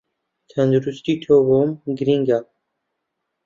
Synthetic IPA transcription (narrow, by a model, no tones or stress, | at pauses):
t̪ʰand̪ɾust̪it̪ʰovɔmɡɾiŋɡa